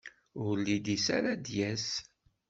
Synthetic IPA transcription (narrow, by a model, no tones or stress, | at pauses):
ʊɾlːid̪isa̰ɾad̪jæs